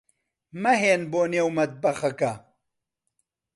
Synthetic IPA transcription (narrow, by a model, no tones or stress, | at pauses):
mɐɦeːnboːnewmɐt̪̚bɐxɐkɐ